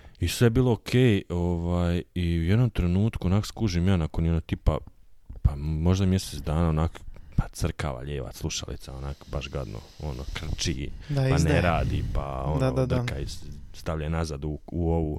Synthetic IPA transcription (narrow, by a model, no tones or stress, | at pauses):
isʋebiːlˠookʰeːjoʋaːjiujed̪nomt̪ɾe̞nuːt̪kuonaːko̥skuːʒiːmjaːnakonjenoɡt̪ipa̰pamo̞ʒd̪amjeseːt̪d̪aːnaːonaːkpḁt̪srka̰ːʋa̰ʎeːʋa̰slˠuʃa̰lḭt̪saonaːkbaʃɡa̰d̪no̰ono̰kr̩t͡ʃḭːpaneɾaːd̪ḭpa̰odod̪kaist̪aʋʎanazad̪uuoʋu